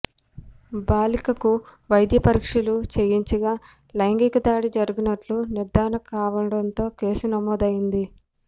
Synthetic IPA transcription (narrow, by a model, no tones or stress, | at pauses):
baːlikɐkuʋɐjd̪jɐpɐɾikʂilut͡ʃejiɲt͡ʃɐɡaː | lɐjŋɡikɐd̪aːɽid͡ʒɐɾuɡinɐʈluniɾd̪aːnɐkaːʋɐɽɐnt̪o̞ːke̞ːsunɐmɔːd̪ɐjind̪i